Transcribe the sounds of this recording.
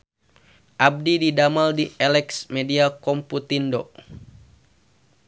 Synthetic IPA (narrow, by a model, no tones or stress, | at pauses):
ʔab̚dididamaldiɛlɛksmɛdiakɔmput̪indɔ